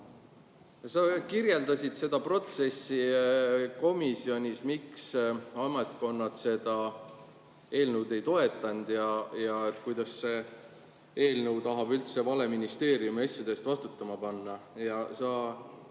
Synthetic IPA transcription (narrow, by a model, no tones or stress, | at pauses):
sɑkirje̞ld̪ɑsʲit̪se̞d̪̥ɑpro̞t̪se̞sːi | ko̞misio̞nʲismiksɑmet̪ko̞nːɑt̪se̞d̪̥ɑ | e̞ːlnəwd̪e̞jt̪o̞e̞t̪ˑːɑnd̪̥jɑjɑet̪ːˑkujd̪̥ɑsːe | e̞ːlnəwt̪ɑɦɑbylt̪se̞vɑle̞minist̪e̞ːɾiumiɑsʲjɑd̪̥e̞st̪vɑst̪u̥t̪ːˑɑmɑpɑnːɑjɑsɑ